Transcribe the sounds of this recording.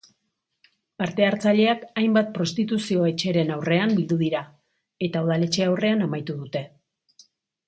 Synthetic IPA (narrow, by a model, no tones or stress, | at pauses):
paɾt̪e̞aɾt͡saʎe̞akajmbat̪̚pɾo̞st̪it̪usio̞e̞t͡ʃe̞ɾe̞nawre̞ambild̪uðiɾa | e̞t̪aoðale̞t͡ʃe̞awre̞anamajt̪uðut̪e̞